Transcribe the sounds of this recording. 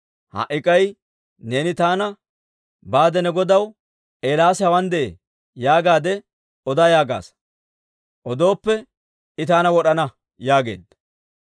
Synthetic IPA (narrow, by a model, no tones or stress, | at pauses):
hɐ̰ʔɪkʼɐj | ne̞ːnɪt̪aːnɐ | baːd̪ɛnɛɡɔd̪ɐw | ʔe̞ːlaːshɐwɐnd̪ɛʔe | jaːɡaːd̪ɛ | ɔd̪aːjaːɡa̰ːs | ʔɔd̪o̞ːpːɛ | ɪt̪aːnɐwɔɗɐnɐ | jaːɡe̞̰ːd̪ːɐ